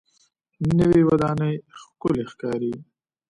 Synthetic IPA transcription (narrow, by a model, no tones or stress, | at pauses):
nəwiwɐd̪ɑːnəjxkʊlexkɑːɾi